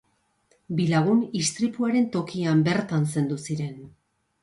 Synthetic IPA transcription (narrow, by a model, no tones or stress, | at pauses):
bilaɣ̞unist̪ɾipuaɾe̞nt̪o̞kiambe̞ɾt̪anse̞nd̪usiɾe̞n